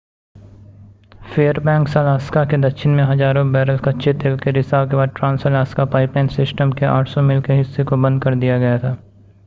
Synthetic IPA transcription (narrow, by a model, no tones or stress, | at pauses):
feːəɾbɛ̃ːŋksɐlaːskaked̪ɐkʃʰɪnmẽɦɐzaːɾõbɛːɾəlkatːʃʰet̪eːlkeɾɪsaːbkebaːd̪̚ʈɾãːnsəlaːskapaːɪplaːɪnsɪsʈəmkea̰ːʈʰsɔmɪlkeɦɪsːekobɐ̃nd̪̚kɐɾd̪ijaɡɐjat̪ʰaː